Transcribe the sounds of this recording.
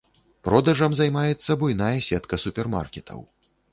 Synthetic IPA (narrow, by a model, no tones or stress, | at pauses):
pɾɔd̪ɐʐɐmzajmajɛt̪sːɐbujnajɛsʲɛt̪kɐsupʲɛrma̰rkʲɛt̪ʰɐ̰w